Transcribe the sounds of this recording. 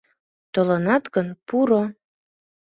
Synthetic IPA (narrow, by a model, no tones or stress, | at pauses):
t̪olɑnɑt̪ɡənpuɾo